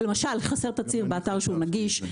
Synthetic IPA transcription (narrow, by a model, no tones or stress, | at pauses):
lemaʃalχase̞ʁt̪at͡siʁbeat̪aʁʃeunaɡiʃ